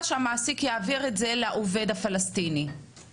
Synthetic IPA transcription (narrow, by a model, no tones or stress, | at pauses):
ʃeamaːsikjaːviʁetzeleaʔove̞dafalastini